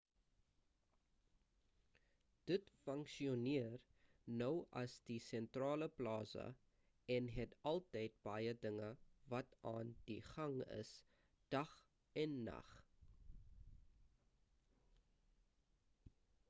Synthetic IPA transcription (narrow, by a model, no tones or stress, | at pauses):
d̥ətfəŋkʃiɔniər | nœwɐsdisɛntrɑːləplɑːsə̰ | ɛnɦɛtɐlˠtɛjt̚b̥ɐjədəŋəvɐtɑːndiχɐŋə̰s | d̥ɐχ | ɛnːɐ̰χ